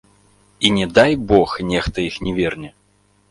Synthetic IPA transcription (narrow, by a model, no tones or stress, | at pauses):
inʲɛd̪ajbɔxnʲɛxt̪ɐjixnʲɛvʲɛrnʲɛ